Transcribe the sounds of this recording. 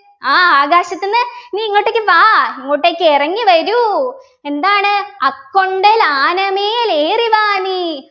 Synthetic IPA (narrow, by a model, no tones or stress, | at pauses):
aːaːɡaːɕɐt̪ːunːɨniːŋːoʈːekːɨʋaːiŋːoːʈːeːkʲːerɐŋːiʋɐɾu | e̞nd̪aːɳɨɐkːoɳɖɐlaːnɐmeːleːriʋaːni